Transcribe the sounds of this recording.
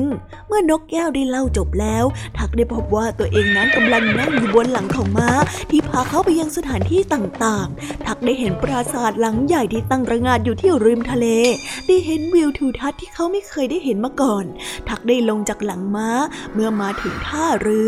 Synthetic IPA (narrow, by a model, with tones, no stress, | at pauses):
ŋ | mɯ˥˩ɐno˦˥k̚kɛː˥˩wdaː˥˩jla˥˩wt͡ɕo˨˩p̚lɛː˦˥wt̪ʰa˦˥k̚daː˥˩jpʰo˦˥p̚waː˥˩t̪u˧ɐʔeː˧ŋna˦˥nka˧mla˧ŋna˧˥˩ŋjuː˨˩bo˧nla˩˦ŋkʰɔː˨˩˦ŋmaː˦˥t̪ʰiː˥˩pʰaː˧kʰa˦˥wpa˧jːa˧ŋsa˧t̪ʰaː˩˦nt̪ʰiː˥˩t̪aː˨˩ŋt̪aː˨˩ŋt̪ʰa˦˥k̚daː˥˩jɦe˩˦npɾa˧saː˨˩t̪̚la˩˦ŋja˨˩jt̪ʰiː˥˩t̪a˥˩ŋɾa˧ŋaː˧˩t̪̚juː˨˩t̪ʰiː˦˥˩əwɾɯː˧mt̪ʰa˧leː˧daː˥˩jɦe˨˦nwi˧wt̪ʰuː˧˩t̪ʰa˦˥t̪ʰːiː˥˩kʰa˦˥wma˥˩jkʰɤː˧jdaː˥˩jhe˨˩˦nmaː˧kɔː˨˩nt̪ʰa˦˥k̚daː˥˩jlo˧ŋt͡ɕa˨˩k̚la˩˦ŋmaː˦˥mɯ˥˩ɐmaː˨˦˥t̪ʰɯ˩˦ŋt̪ʰaː˥˩ɾɯː˧